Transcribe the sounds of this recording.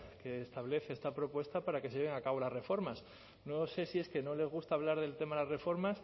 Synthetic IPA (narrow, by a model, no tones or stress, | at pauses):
ke̞ːst̪aβle̞θeest̪apɾo̞pwe̞st̪apaɾake̞seʝeβe̞ŋakaβ̞o̞lazre̞fo̞ɾmas | no̞se̞sie̞ske̞no̞le̞zɣ̞ust̪aːβ̞laɾðe̞lt̪e̞maðlasre̞fo̞ɾmas